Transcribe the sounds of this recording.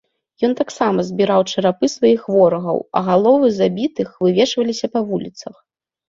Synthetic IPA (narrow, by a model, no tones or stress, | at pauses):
jɔnt̪aksamɐzʲbʲiɾawt͡ʂɐɾapɨsvajixvɔɾɐɣɐ̰wɐ̰ɣalˠɔvɨzabʲit̪ɨxvɨvʲɛʂvɐlʲisʲɐpɐvulʲit̪sɐx